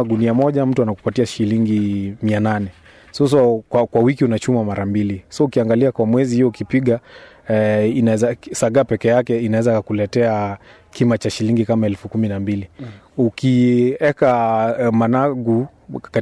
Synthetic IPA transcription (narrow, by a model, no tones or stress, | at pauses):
uniamɔʄam̩tuanaku̥patiaʃiliŋɡimiananɛ | sɔs̬ɔkwakwawikiunat͡ʃumamaɾambilisɔukiaŋɡaliakwamwɛzihijɔukipiɠa | inaɛzasaɠapɛkɛjakɛinawɛzakulɛtɛa | kʰimat͡ʃaʃiliŋɡikamaɛlfukuminambili | ukiɛkamanaɡu | ka